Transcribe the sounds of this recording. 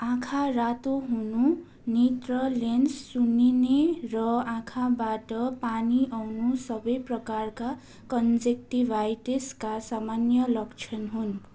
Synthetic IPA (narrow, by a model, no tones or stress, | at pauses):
ãkʰarat̪oɦunu | nit̪rʌlensːuninerʌãkʰabaʈʌpaniʔawnusʌbʌjprʌkarka | kʌnd͡zek̚ʈibʱajʈeskasamanjʌlʌkt͡sʰʌnɦun